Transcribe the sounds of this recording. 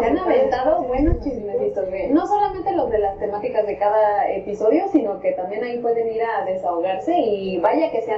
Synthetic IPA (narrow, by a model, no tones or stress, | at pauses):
eanaβent̪aðo̞βwe̞nost͡ʃismeist̪ozβeno̞so̞lament̪e̞lozðe̞last̪e̞mat̪ikazðe̞kaðae̞̰piso̞ðjo̞sino̞ke̞t̪ambje̞naipwe̞ðe̞niɾaðe̞saoɣaɾse̞iβaʝake̞se̞a